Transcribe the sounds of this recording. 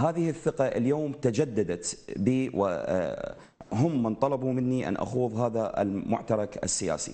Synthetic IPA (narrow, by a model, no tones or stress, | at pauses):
haːðɪhɪθːɪqɑʔɪ̰ljoːmt̪ad͡ʒad̪ːad̪at̪biːwʔɪ̰ | ɦʊmːɪnt̪ˤɑlɑbumɪnːiʔa̰nʔa̰xuːðˤɦaːðaʔɪ̰lmʊ̰ʕt̪ɑɾˤɑkɪ̰sːɪja̰ːsḭ